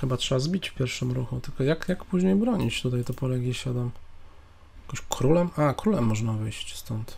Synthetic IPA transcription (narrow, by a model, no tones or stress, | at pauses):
xɘbatʂɛbazbʲit͡ɕfpʲjɛɾfʂɘmɾuxut̪ɘlkɔjakjakpuʑɲejbɾɔɲit͡ɕt̪ut̪ajt̪ɔpɔlɛɡʲiɕad̪am | akɔ̃ɕkʰɾulɛmakɾulɛmːɔʐnavɘjɕt͡ɕst̪ɔnt̪